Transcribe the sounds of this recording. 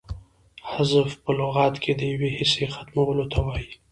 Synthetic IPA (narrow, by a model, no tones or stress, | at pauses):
hazəfpəlʊɣɑt̪kʰed̪əjawehɪsexat̪mawəlot̪awɑji